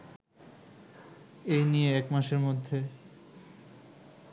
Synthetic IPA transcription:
ejnijeɛkmaʃeɾmod̪ʱːe

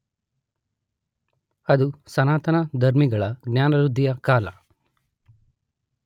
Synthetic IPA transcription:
ɐd̪usɐnaːt̪ɐnɐd̪ʱɐɾmiɡɐɭɐɡnjaːnɐɾud̪ʱːijɐkaːlɐ̰

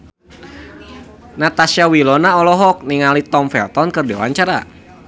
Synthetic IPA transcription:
nat̪asiawilɔnaɔlɔɦɔk̚niŋalit̪ɔmfɛ̰lt̪ɔnkɨrdiwa̰ɲt͡ʃaɾa̰

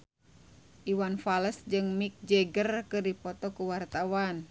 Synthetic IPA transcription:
ʔiwanfaləsd͡ʒɨŋmik̚d͡ʒɛɡərkɨrdipɔt̪ɔkuwart̪awan

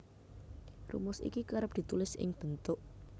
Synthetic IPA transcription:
rṵmʊsḭkikaɾəp̚d̪̥i̤t̪ulɪsʔɪ̰ŋb̥ənt̪ʊʔ

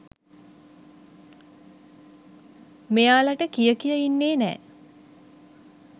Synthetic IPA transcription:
mejaːləʈəkijəkijəinːeːnɛ̰ː

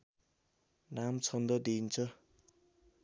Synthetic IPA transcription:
namt͡sʰʌnd̪ʌd̪int͡sʰʌ

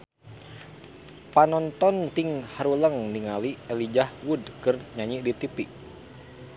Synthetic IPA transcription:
panɔnt̪ɔnt̪iŋhaɾuləŋniŋaliɛlid͡ʒahwudkɨrɲaɲiʔdit̪ipi

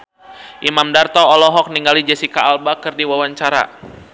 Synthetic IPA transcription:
ʔimamdart̪ɔɔlɔɦɔk̚niŋɡalid͡ʒɛsikaːlbakɨrdiwawaɲt͡ʃaɾa̰

